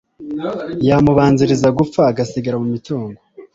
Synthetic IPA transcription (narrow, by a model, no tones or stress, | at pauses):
jamuβaːnziɾizaɡup͡faːɡasiɡaɾamumituːŋɡo